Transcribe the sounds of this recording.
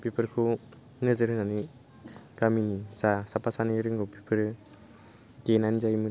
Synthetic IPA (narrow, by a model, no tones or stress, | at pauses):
pipʰɯɾkʰu | nɯzɯɾɯnani | ɡaminisasapasaniɾɯŋɡɔpipʰɯɾ | ɡenanizajmɯ